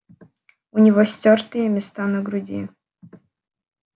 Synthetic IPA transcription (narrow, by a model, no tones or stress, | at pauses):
ʊnʲɪvosʲtʲort̪ɨjəmʲɪst̪anəɡɾʊdʲi